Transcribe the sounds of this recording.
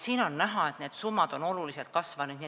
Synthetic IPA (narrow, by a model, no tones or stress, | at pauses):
siːno̞nːæɦɑe̞t̪neːd̪sumːɑd̪̥o̞no̞lulise̞lt̪̚kɑsvɑnud̪̥ni